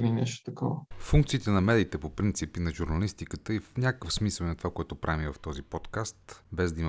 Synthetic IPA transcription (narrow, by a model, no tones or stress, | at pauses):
ninɛʃt̪o̥t̪ɐkɔvəfuŋk̚t̪siːt̪ɛnɐmɛd̪it̪ɛpopɾint̪sipinɐʒuɾnɐlist̪ikət̪əifnʲakəkəfsmisəlˠinɐt̪ovakoɛt̪ʊpɾʔavivəft̪ɔzipɔt̪kast̪bɛzd̪ɐim